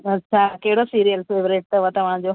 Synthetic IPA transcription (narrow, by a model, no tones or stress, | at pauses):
ɐtːʃʰakɐɦɪɽosiːɾijəlseːʋɾeʈ̚t̪ɐʋot̪ɐʋ̤ãd͡ʑo